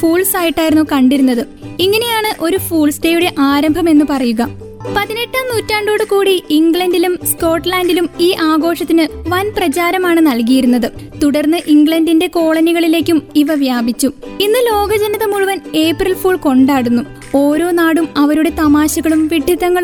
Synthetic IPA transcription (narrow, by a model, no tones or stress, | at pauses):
fuːɭsaːjiʈːaːjiɾunːukɐɳɖiɾunːɐðɨ | iŋːɐne̞jaːɳɨʔo̞ɾufuːɭsteːjuɽe̞ʔaːɾɐmbʱɐme̞nːupɐrɐjuɣɐ | pɐðine̞ʈːaːmnuːtːaːɳɖo̞ːɽɨkuːɽiiŋɡɭɐndilumsko̞ːʈːlaːndilumiːʔaːɡo̞ːʂɐt̪ːinɨʋɐnprɐt͡ɕaːɾɐmaːɳɨnɐlkijiɾunːɐðɨt̪uɽɐrnːɨʔiŋɡɭɐndinde̞ko̞ːɭɐniɣɐɭile̞ːkʲːumiʋɐʋjaːbit͡ɕːuinːɨlo̞ːɡɐd͡ʑɐnɐðɐmuɻuʋɐne̞ːprɐlfuːɭko̞ɳɖaːɽunːu | o̞ːɾo̞ːnaːɽumɐʋɐɾuɽe̞t̪ɐmaːɕɐɣɐɭumʋiɖʱiðɐŋːɐɭ